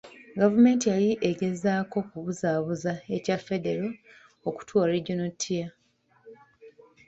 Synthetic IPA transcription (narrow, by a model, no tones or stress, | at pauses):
ɡavume̞ːntijajiʔeɡe̞zaːko̞kuβuzaːβuzae̞cafːe̞de̞ɾo | oku̥twaɾeɟunotʰːija